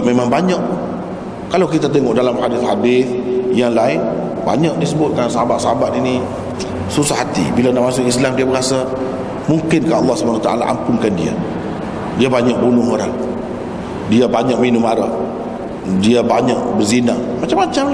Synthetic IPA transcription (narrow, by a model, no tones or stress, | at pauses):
memãŋbaɲaʔ | kalawkit̪at̪eŋɔʔdalamhadɪθhadɪθjaŋlaɪn | ba̰ɲaʔ̚disəbʊt̪̚kansaɦabat̪̚saɦabat̪ini | susahɦat̪ḭbilanaʔ̚mas̬ʊkislamdiabəɡasa | muŋkɪnkaəlːɑhsəbanat̪a̰ʔa̰la̰ʔa̰mpʊnkandia̰ | diabaɲaʔ̚bunʊɦoɾa̰ŋ | diabaɲak̚minʊmaɾa̰ʔ | diabaɲaʔbərzinamat͡ʃamːat͡ʃam